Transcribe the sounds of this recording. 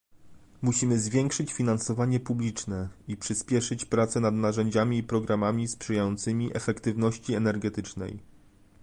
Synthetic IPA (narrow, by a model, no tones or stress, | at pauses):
muɕimɘzvʲjɛŋkʂɘt͡ɕfʲinansɔvaɲɛpublʲit͡ʂnɛipʂɘspʲjɛʂɘt͡ɕpɾat̪sɛnad̪naʐɛɲd͡ʑamʲiːpɾɔɡɾamamʲispʂɘjajɔnt̪sɘmʲiʔɛfɛkt̪ɘvnɔɕt͡ɕiɛnɛɾɡɛt̪ɘt͡ʂnɛ̰j